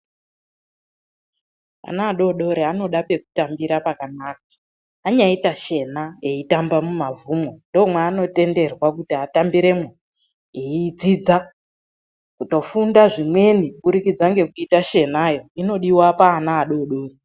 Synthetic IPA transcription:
a̰naːɗo̞ɗo̞ɾeano̞ɗape̞ku̥tambiɾapakanaːk̚ḁː | ɲaitat͡ʃe̞naeitambamumavumwondomwaːno̞te̞nde̞rwakutiatambiɾe̞mwa | eid͡zid͡za | kuto̞fundaʐimwe̞nikuɓuɾikid͡zaŋɡe̞kuitaʃe̞najo̞ino̞ɗiwapaːnaːɗo̞ɗo̞ːre

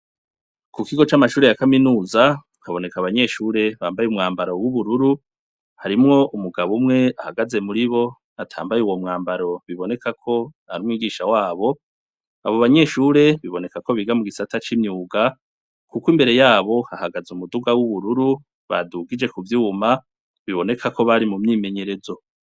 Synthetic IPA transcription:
kukiɡo̞t͡ʃamaʃuːɾejakaminuːza | kaβo̞ne̞kaβaɲe̞ʃuːɾe̞βaːmbajeumŋaːmbaɾo̞wuβuɾuɾu | haɾimŋo̞ʔumuɡaβumŋe̞ahaɡaze̞muɾiβo̞ | atʰa̰ːmbajeuwo̞mŋaːmbaɾo̞βiβo̞ne̞kʰakʰo̞ | aɾumŋiːɡiːʃawaːβo̞ | a̰βo̞βaɲe̞ʃuɾe̞βiβo̞ne̞kako̞βiɡamuɡisatat͡ʃimɲuːɡa | kukwimbe̞ɾe̞jaːβo̞hahaɡazumuduɡawuβuɾuɾu | βa̰duɡid͡ʒe̞kuvjuma | βiβo̞ne̞kʰako̞βaɾimumɲiːme̞ɲe̞ɾe̞zo̞

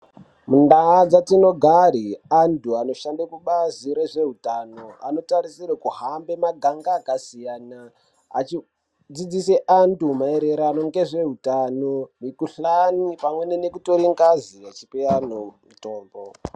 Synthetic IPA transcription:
mundaːd͡zatino̞ɡʱaɾiantuano̞ʃandakuɓaziɾe̞ʐe̞ɦutanoa̰no̞tarisirakuɦambe̞maɡʱaŋɡaːkasijaːna̰ː | t͡ʃi | d͡zid͡zise̞ʔantumaeɾe̞ɾanoŋɡe̞ʐe̞ɦutanomikuɬanipamwe̞nenekuto̞ɾiŋɡazijat͡ʃipeanomutoːmbo

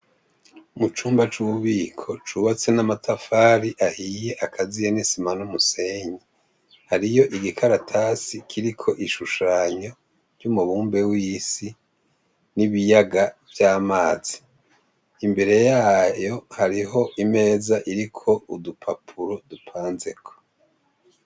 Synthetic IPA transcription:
umut͡ʃuːmbat͡ʃuuβiːkʰo̞t͡ʃuβat͡se̞namatʰafaːɾiʔahije̞ʔakʰazijenisimanumuseɲe | haɾijo̞ʔiɡikʰaɾatʰasikʰiɾikʰo̞ʔiʃuʃaːɲo̞ | v̥jumuβuːmbe̞wiːsi | niβijaɡavjaːmaːz̥iː | mbe̞ɾe̞jaːjo̞haɾiɦo̞ʔime̞ːzaʔiɾikʰo̞udupʰapʰuɾodupʰaːnze̞kʰo̥

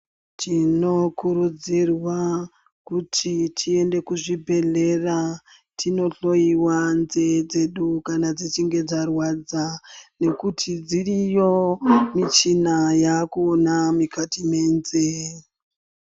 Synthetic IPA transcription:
tʰino̞kuɾud͡zirwa | kutʰitʰie̞nde̞kuʐibʱe̞ɮe̞ra | tʰino̞ɬo̞iwanzed͡ze̞ɗukanad͡zit͡ʃiŋɡe̞d͡zarwad͡zane̞kutʰid͡zirijo̞mit͡ʃinajakuːnamikʰatimeːnze

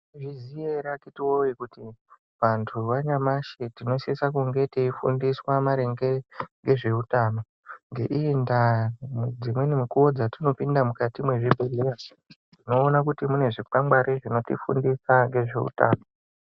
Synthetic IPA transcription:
ʐizijeɾakitiwoikuti | ʋantʰuʋaɲamaʃetino̞sesak̬uŋɡe̞teifṵndiswamaɾe̞ŋɡe̞ŋɡe̞ʐe̞utaːno | ŋɡe̞ʔiːndamd͡zimwe̞nimukuwo̞d͡zatino̞pindamukatimwe̞ʐibʱeleja | tino̞ːnak̬utimune̞ʐikambaɾʔeʐino̞tḭfṵndisaŋɡe̞ʐe̞̰ṵta̰ːno

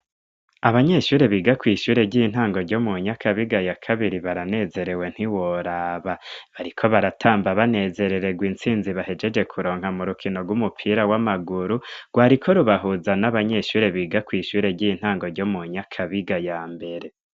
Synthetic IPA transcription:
aβaɲe̞ʃuːɾe̞βiːɡakwiːʃuːɾe̞ɟin̥haːŋɡo̞ɾɟo̞muɲakʰaβiɡajakʰaβiɾiβaɾane̞ze̞ɾe̞we̞n̥hiwoɾaːβaβaɾikʰo̞βaɾatʰaːmbaβane̞ze̞ɾe̞ɾe̞ɡwiːnt͡siːnziβahe̞d͡ʒe̞d͡ʒe̞kʰuɾo̞ːŋ̥hamuɾukʰino̞ɡwumupʰiɾawamaɡuɾuɡ̥waːɾikʰo̞ɾuβaɦuzanaβaɲe̞ʃuːɾe̞βiːɡakwiːʃuːɾe̞ɟiːn̥aːŋɡo̞ɾɟo̞muɲakʰaβiɡajaːmbe̞ɾe̞

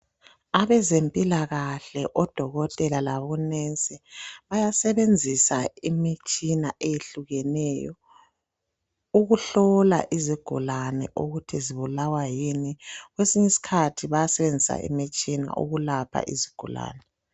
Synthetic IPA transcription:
aβɛzempʼilaɣaɬɛʔɔd̥ʱɔɣɔtʼɛlalaβɔnent͡sʼiβajasɛβend͡zʱisaimit͡ʃʼinaʔejeɬuɣɛnɛjɔ̰ | uɣuɬɔla̰ʔiziɡ̥ʱṵlanɛ̰ʔuɣutʰiziβulawajiniɣwesiɲisi̥kʰatʰiβajasɛβend͡zʱisa̰ʔḭmit͡ʃʼina̰ʔṵɣulapʰa̰ʔḭziɡ̥ʱṵla̰ːnɛ

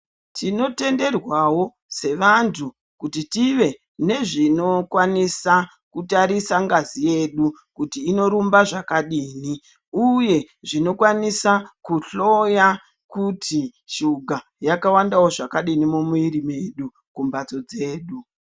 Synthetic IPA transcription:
tʰino̞te̞nde̞rwawo̞ | se̞ʋantʰu | kutitiʋe̞ | ne̞ʐino̞kwanisa | kutaɾisaŋɡazije̞ɗukutiːno̞ɾumbaʐakaɗiːni | uje̞ | ʐino̞kwanisakuɬo̞ja | kutʰiʃuɡʱa | jakawandawoʐakaɗinimumuiɾime̞ːɗu | kumbad͡zo̞d͡ze̞ːɗu

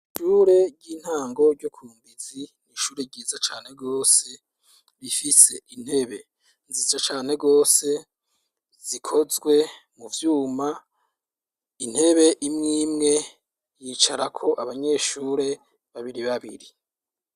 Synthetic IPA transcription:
ʃuːɾe̞ɾɟiːn̥haːŋɡo̞ɾɟokʰuːmbiziniʃuːɾe̞ɟiːzat͡ʃaːn̥e̞ɡo̞ːse̞ | βifise̞ʔin̥he̞βe̞ | nzizat͡ʃaːn̥e̞ɡo̞ːse̞ | z̥ikʰo̞zɡwe̞ | muvjuːma | in̥he̞βe̞ʔimŋiːmŋe̞ | jiːt͡ʃaɾakʰo̞ʔaβaɲe̞ʃuːɾe̞ | βaβiɾiβaβḭɾi

